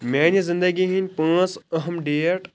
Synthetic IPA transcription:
meːnizĩnd̪əɡiɦinʲpãːt͡sɐɦəmɖiːɐʈ

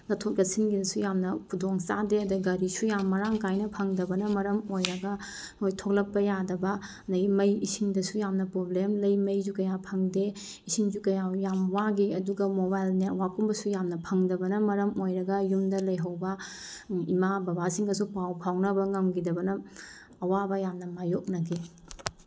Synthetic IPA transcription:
nɐtʰot̚lɐsinɡidɐsujamnɐkʰudoŋsa̰deɐdɐɡɐɾisujamːɐɾaŋkajnɐpʰɐŋdɐbɐnɐmɐɾɐmojɾɐɡɐ | mojtʰok̚lɐpːɐjadɐbɐɐndɐɡimɐjisʰiŋdɐsujamnɐpɾoblemlɐjmɐjzukɐjapʰɐŋde | isiŋzukɐjajamwaɡiɐduɡɐmobajlneɾwakumbɐsujamnɐpʰɐŋdɐbɐnɐmɐɾɐmojɾɐɡɐjumdɐlɐjɦɐwbɐ | imabɐbasiŋɡɐs̬upawpʰawnɐbɐŋɐmɡidɐbɐnɐ | ɐwabɐjamnɐmajok̚nɐɡi

